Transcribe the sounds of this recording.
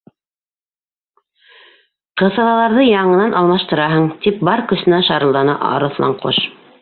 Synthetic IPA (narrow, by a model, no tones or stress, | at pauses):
qɤ̆θɑlˠɑlˠɑɾðɤjɑɴɤ̆nɑnʔɑlˠmɑʃt̪ɤ̆ɾɑɦɤɴt̪ip̚bɑɾkɵ̆sɘ̆næʃɑɾɤ̆lˠd̪ɑnɑ̰ʔɑ̰ɾɤ̆θlˠɑ̰ɴqʰo̰ʃ